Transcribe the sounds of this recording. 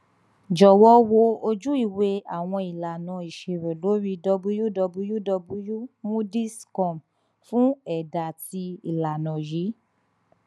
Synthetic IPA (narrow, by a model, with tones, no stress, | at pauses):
d͡ʒɔ˨wɔ˦wo˧o˧d͡ʒu˦i˦˨we˧˦a˨w̃ɔ̃˧i˨la˨nã˨˦i˨ʃe˨ɾe˨lo˨˦ɾi˧dɔ˧bu˧˦ju˦dɔ˧bu˧˦ju˦dɔ˧bu˧ju˦mũ˦di˦skɔ̃˦˨m | fũ˦ɛ˨da˨ti˧i˨la˨nã˨ji˨˦